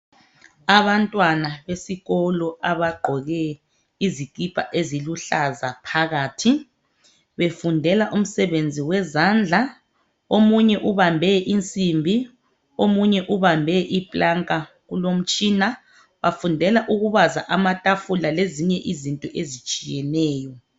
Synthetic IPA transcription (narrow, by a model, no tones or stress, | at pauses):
aβantʼwanaβesiɣɔlɔʔaβaɡ͡ǃʱɔɣɛ | iziɡ̥ʱʼipʼa̰ʔeziluɬazapʰaɣaːtʰi | βefundʱɛlaʔum̩sɛβend͡zʱiwɛzand͡ɮʱa | omuɲɛʔuβambʱɛʔint͡sʼimbʱi | omuɲɛʔuβambʱɛʔipʼlaŋkʼa | ɣulom̩t͡ʃʼiːna | βafundʱɛlaʔuɣuβaza̰ʔamatʼafulaleziɲɛʔizintʼɔʔezit͡ʃʼijɛnɛːjɔ